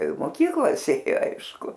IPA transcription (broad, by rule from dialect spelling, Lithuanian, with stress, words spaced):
ɪ moːˈkʲiːklˠɐs ˈeːjoː ˈɐɪʃkʊ